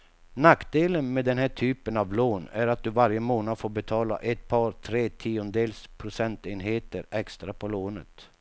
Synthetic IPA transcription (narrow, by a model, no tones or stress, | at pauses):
nakd̪eːlənmeːd̪ɛnɦæːʈʰyːpənavloːnæɾat̪̚d̪ɵvaɾjəmoːnad̪foːɾbɛt̪ʰɑːla̰ʔɛt̪̚pʰɑːɾt̪ʰɾeːt̪ʰiːʊnəd̪eːlspʰɾʊsɛnt̪eːnɦeːt̪əɾɛkst̪ɾapʰɔloːnə̰t̪